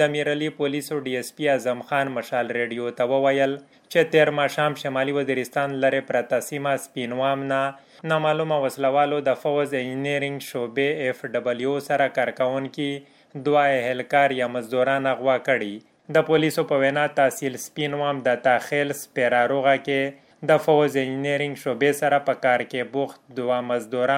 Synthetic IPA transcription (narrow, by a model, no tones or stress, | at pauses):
d̪əmiɾalipolisoɖiespiazamxɑnmaʃɑlɾeɖijot̪awəwajəl | t͡ʃet̪eɾmɑʃɑmʃamɑliwaziɾɪst̪ɑnlaɾepɾat̪asimaspinwamna | namalumawaslawɑlod̪əfawzed͡ʒineɾɪŋɡʃobeːfɖabəljosaɾakaɾkawʊŋki | d̪waeɦelkɑɾjamazd̪uɾɑnaɣwɑkəɽi | d̪əpolisopəwenat̪asilspinwamd̪ət̪axelspeɾaɾoɣake | d̪əfawzed͡ʒineɾɪŋɡʃobesaɾapəkɑɾkebʊxt̪d̪wamazd̪uɾ